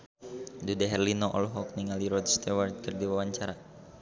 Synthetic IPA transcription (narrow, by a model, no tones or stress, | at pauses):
dudɛɦɛrlinoʔɔ̰lɦɔk̚niŋaliɾɔd̪st̪ɛwart̪̚kərdiwawaɲt͡ʃaɾa